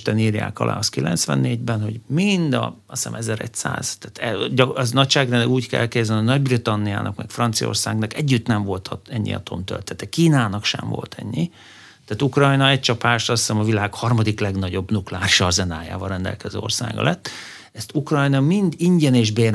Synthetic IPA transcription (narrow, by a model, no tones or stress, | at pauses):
t̪ɛniːrja̰ːkɒ̰lʔa̰ːɒskilɛ̰nt̪sʋɛ̰nːeːɟbɛnho̞ɟmind̪ɒ̰ | ɒsɛ̰mʔɛzɛɾɛ̰csa̰ːz̥t̪at̪ɛɟɒznɒcʃaːɡ̪ɛnɛɡuːckɛ̰lkeːzɛnonɒɟbrit̪ɒnːija̰ːnʔɒkmɛkfrɒnt̪sijo̞̰rsaːɡnɒkɛɟːyt̪nɛɱvo̞lt̪ʰɒɛɲːḭɒ̰t̪ʰo̞mt̪ø̰lt̪ɛt̪ɛkiːnaːnɒkʃɛ̰ɱvo̞̰lt̪ʰɛ̰ɲːi | t̪aːt̪ukrɒjnɒɛc̚t͡ʃɒpaːʃt̪ɒssɛmɒvilaːkhɒrmɒd̪iklɛɡnɒɟo̞bnuklaːriʃɒzɛnaːja̰ːvɒɾɛnd̪ɛ̰lkɛzø̰ːo̞rsa̰ːɡɒ̰lʔɛt̪ː | ɛst̪ukrɒjnɒmind̪iɲɟɛneːʒbeːr